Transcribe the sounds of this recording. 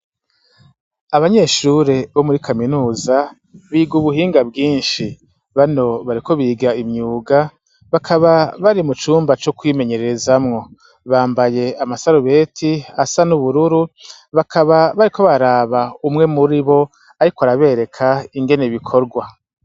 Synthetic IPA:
aβaɲe̞ːʃuɾe̞βo̞muɾikʰaminuːza | βiːɡuβuɦiːŋɡab̚ɡiːnʃi | βano̞βaɾikʰo̞βiːɡaimɲuːɡa | βakʰaβaβaɾimut͡ʃuːmbat͡ʃo̞kwiːme̞ɲe̞ɾeɾezamŋo̞ | βaːmbaje̞amasaɾuβe̞ːtʰiasanuβuɾuɾu | βakʰaβaβaɾiko̞βaɾaːβaumŋe̞muɾiβo̞ | aɾikoaɾaβe̞ɾe̞kʰaiŋɡe̞neβikʰo̞ɾɡwa

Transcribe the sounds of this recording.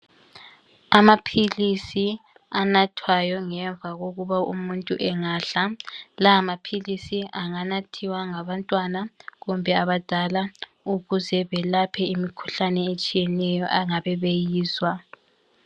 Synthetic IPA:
amapʰilisi | anatʰwajɔŋɛɱb̪vʱaɣoɣuβaṵmuntʼuʔɛŋaɬalaːmapʰilisiʔaŋanatʰiwaŋaβantʼwanaɣumbʱɛaβad̥ʱala | uɣuzɛβɛlapʰɛimikʰu̥ɬanɛet͡ʃʼijɛnɛjɔ̰ʔaŋaβɛβejiːswa

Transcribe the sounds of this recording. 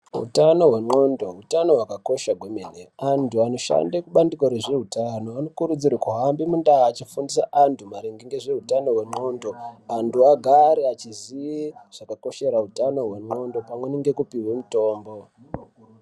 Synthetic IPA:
ɦṵtano̞ɦwe̞mo̞ndo̞ɦutano̞ɦwakako̞ʃaɡʱwemeneantuano̞ʃa̰ndekuɓandikoɾeʐe̞ɦutanoano̞kuɾud͡ziɾakuɦambimundaːt͡ʃifundisa̰ʔantʰumaɾeŋɡeŋɡe̞ʐe̞ɦutano̞ɦwe̞mo̞ndo̞antʰuaɡʱaɾeat͡ʃiziiʐ̥akako̞ʃe̞ɾautano̞ɦwe̞ŋ͡ǃo̞ndo̞pamweneŋɡe̞kupiwemuto̞ːmbo̞

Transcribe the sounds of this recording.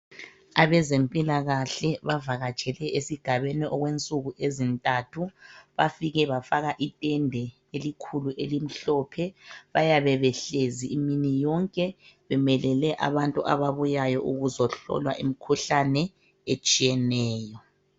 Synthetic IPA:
aβɛzempʼilaɣaɬɛβavaɣat͡ʃʰʼɛlɛʔesiɡ̥ʱaβeniʔɔɣwent͡sʼuɣuʔezintʼatʰuβafiɣɛβafaɣaʔitʼɛndʱɛ | elikʰuluʔelim̩ɬɔːpʰɛβajaβɛβɛɬeziiminijɔŋkʼɛβɛmɛlɛlɛʔa̰βantʼuʔa̰βaβujajɔʔuɣuzɔɬɔ̰lwa̰ʔimikʰuɬanɛ | et͡ʃʼijɛnɛːjɔ

